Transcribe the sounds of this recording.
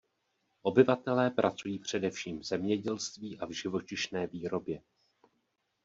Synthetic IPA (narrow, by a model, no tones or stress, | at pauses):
ʔo̞bɪvat̪ɛlɛːpɾʔat͡sujiːpr̝̥ɛdɛfʃiːmvzɛmɲɛɟɛlst̪viːʔavʒɪvo̞t͡ʃɪʃnɛːviːɾo̞bjɛ